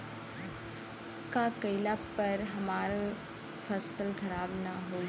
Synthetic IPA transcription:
kaːkɐɪlapɐɾɦɐmaːɾe | fɐsəlkʰɐɾaːbnaɦoːi

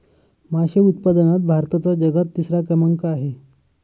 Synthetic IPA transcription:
maɕeut̪̚pad̪ənat̪̚bʱaɾt̪at͡sad͡ʑəɡət̪ːisɾakɾəmaŋkaːɦe

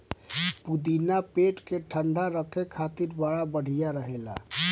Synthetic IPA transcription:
pud̪inapeʈkeʈʰəɳɖʱaɾəkʰekʰat̪iɾbaɽabəɽ̤ijaɾəɦela̰

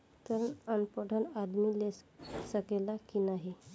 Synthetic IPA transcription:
t̪əɾənənpəɽʱənad̪milessəkelakinaɦi

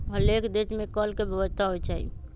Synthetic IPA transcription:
ɦəlekd̪esmekəlkebʱəʋəst̪ʰaɦojt͡ʃaɦḭ

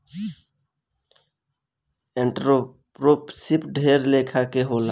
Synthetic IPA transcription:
eɳʈɾo | pɾopsɪpɖʱeɾleːkʰakeɦoːla

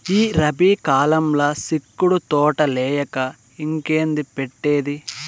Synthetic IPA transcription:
iːɾɐbiːkaːlɐmlɐsikːuɽut̪ɔːʈɐlɛːjɐkɐ | iŋkeːnd̪ipeʈːeːd̪i

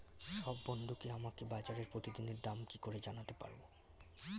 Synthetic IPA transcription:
ʃɔbːond̪ʱukeamakebajd͡ʑaɾeɾpɾot̪id̪ineɾd̪amkikoɾed͡ʑanat̪epa̰ɾbo

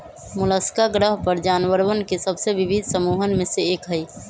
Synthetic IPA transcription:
mʊləskaɡɾəɦpəɾd͡ʒaːnwəɾwənkesəbseʋɪbʱid̪ʱsəmuːɦənmẽseeːkɦəi

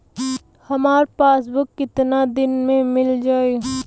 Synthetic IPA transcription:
hɐmaːɾpaːsbʊkːɪt̪nad̪ɪnmẽmɪld͡ʒaːeː

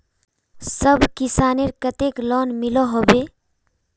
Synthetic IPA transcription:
səbʱkisaːneɾkət̪eklɔnmilɔɦobe

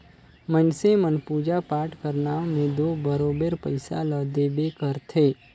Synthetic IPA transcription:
mənsemənpud͡ʒapaːʈkəɾnamẽd̪obəɾobeɾpəɪsa̰ləd̪ebekəɾt̪ʰe

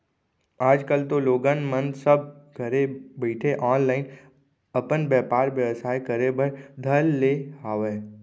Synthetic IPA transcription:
aːd͡ʒkəlt̪oloːɡənmə̃nd̪səb̚ɡʱəɾebiːʈʰeʔɔːnlaːɪn | ɐpənbjɛːpaːɾʋjəʋsaːekəɾebʱəɾd̪ʱəlːeːɦaːʋeː

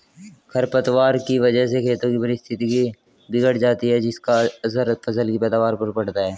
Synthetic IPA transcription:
kʰɐɾpət̪ʋaːɾkiʋɐd͡ʒəɦs̬ekʰeːt̪õkipɐɾɪst̪ʰɪt̪iki | bɪɡəɽd͡ʒaːt̪iɦɛd͡ʒɪskaɐsəɾfɐsəlkipɛːd̪aːʋaːɾpɐɾpɐɽt̪aɦɛː

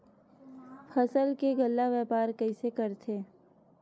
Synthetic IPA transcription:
fʰəsəlkeɡəlːaʋɛːpaːɾkɐisekəɾt̪ʰeː

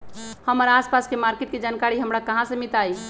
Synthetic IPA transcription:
həməɾaspaskemaɾkeʈ̪̚ked͡ʒankaɾiɦəmɾakəɦãsə̃mit̪ai

